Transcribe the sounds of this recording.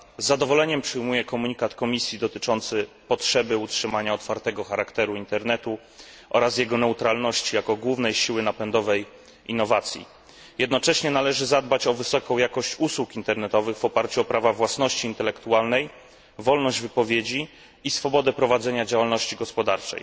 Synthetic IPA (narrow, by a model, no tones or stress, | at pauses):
zːad̪ɔvɔlɛɲɛmpʂɘjmujɛkɔmuɲikat̪kɔmʲisʲjid̪ɔt̪ɘt͡ʂɔnt̪sɘ | pɔtʂɛbɘutʂɘmaɲaɔt̪faɾt̪ɛɡɔxaɾakt̪ɛɾuint̪ɛɾnɛt̪u | ʔɔɾas̬jɛɡɔnɛut̪ɾalnɔɕt͡ɕijakɔɡwuvnɛjɕiwɘnapɛnd̪ɔvɛj | inːɔvat̪sʲjḭ | jɛd̪nɔt͡ʂɛɕɲɛnalɛʐɘzad̪bat͡ɕɔvɘsɔkɔ̃w̃jakɔɕt͡ɕuswukint̪ɛɾnɛt̪ɔvɘɣvɔpaɾt͡ɕuɔpɾavavwasnɔɕt͡ɕiːnt̪ɛlɛkt̪ualnɛj | vɔlnɔʑd͡ʑvɘpɔvʲjed͡ʑiː | sfɔbɔd̪ɛpɾɔvad̪zɛɲad͡ʑawalnɔɕt͡ɕiɡɔspɔd̪aɾt͡ʂɛ̰j